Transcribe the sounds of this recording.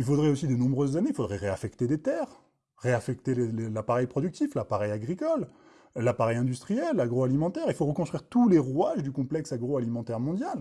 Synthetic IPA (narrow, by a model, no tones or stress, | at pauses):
ilfod̪ʁɛosid̪ənɔ̃bʁøzːaneilfod̪ʁɛʁeafɛkt̪ed̪et̪ɛːʁː | eafɛk̚t̪elelelapaʁɛjpχɔd̪yk̚t̪iflapaʁɛjaɡʁikɔlː | apaʁɛjɛ̃d̪yst̪χijɛlːaɡʁoalimɑ̃t̪ɛʁilfoʁəkɔ̃st̪χɥiʁt̪uleʁwaʒd̪ykɔ̃plɛksaɡʁoalimɑ̃t̪ɛʁmɔ̃d̪jal